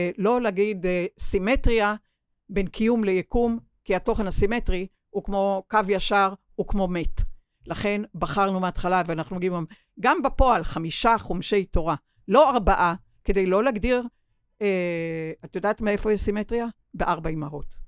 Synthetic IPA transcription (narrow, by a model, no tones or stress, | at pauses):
lo̞leaɡidsimetʁia | be̞nkʰijumlejekum | kiato̞χenhasimetʁi | hukmo̞kavjaʃaʁ | ukmo̞me̞t | laχe̞nbaχaʁnumeatχalaveanaχnunɡiimam | ɡambapo̞alχamiʃaχomʃe̞jto̞ʁa | lo̞aʁbaʔa | ke̞dejlo̞laɡdiʁ | eat̪jodaːtmeefo̞jiʃsimetʁija | beʔaʁbaimaʁot